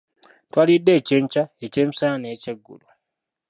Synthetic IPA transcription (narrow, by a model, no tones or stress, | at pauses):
twalidːe̞ːceːɲt͡ʃaece̞ːmisaaneːceɡːṵlu